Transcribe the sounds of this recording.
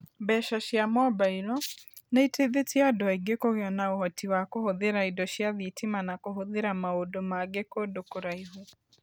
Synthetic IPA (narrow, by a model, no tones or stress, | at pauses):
bɛʃaʃjamɔbailɔneiteðetiadoaiɡekoɣeɔnaoɦɔtiwakohoðeɾaidɔʃjaðitʰimanakoɦoðeɾamaodomaɡekodokoɾaiɦo